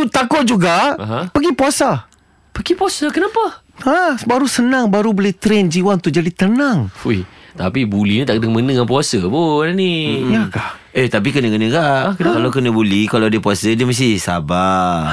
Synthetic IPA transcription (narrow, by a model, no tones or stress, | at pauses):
t̪ut̪akʊʔ̚d͡ʒuɡaɦapəɡipuasa | pəɡipuasakənapa | abaɾusənãŋbaɾuboleht̪ɾɛnd͡ʒiwant̪uʔd͡ʒadit̪ənaŋujt̪apibulinit̪aʔkdəŋmənəŋanpuasəboananiakahet̪ap̬ikənəkənəkaʔkkalakənəbulikalaadəpuasədiəmas̬t̪ihsa̰ba